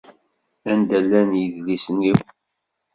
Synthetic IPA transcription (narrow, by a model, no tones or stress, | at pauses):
ænd̪ælːænjəðlisəniw